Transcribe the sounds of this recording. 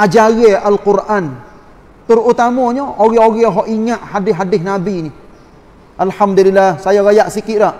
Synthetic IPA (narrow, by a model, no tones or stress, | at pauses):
ʔad͡ʒaɣeʔalqʊrʔan | t̪ərut̪amɔɲɔʔoɣɛoɣɛɦɔʔiŋaʔhadɪɦadɪhnabini | ʔalhamd̪ulilːahsajaɣajaʔsikɪʔdaʔ